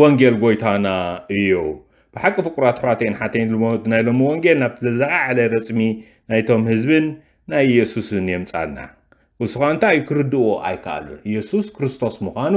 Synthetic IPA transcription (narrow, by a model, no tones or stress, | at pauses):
woŋɡelɡo̞jt̪ʰanaɨjːu | b̥ɨħakʼːɨfɨkʼuɾat̪ħwat̪ʰenħat̪ʰɐnnajlo̞miwoŋɡelnaβt̪ʰɨzɐzaʔaʕalɐɾɐt͡sʼmi | najt̪ʰo̞mhɨzβɨnː | ajjɛsusɨnjɛmt͡sʼa̰nːa̰ | ʔɨsuxaɨnt̪ʰajːukʰɨɾɨd̪ɨoʔa̰jkʰa̰ʔa̰lṵjɛsuskʰɾɨst̪ʰo̞smuxʷanu